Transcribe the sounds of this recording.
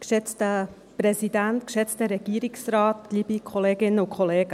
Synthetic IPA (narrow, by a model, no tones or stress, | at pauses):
kʃɛt͡stə | pɾɛsidæntkʃɛt͡stəɾɛɡ̥iːɾɪksɾɑːtkliːbikʰɔleːɡɪnəʊkʰχɔleːɡə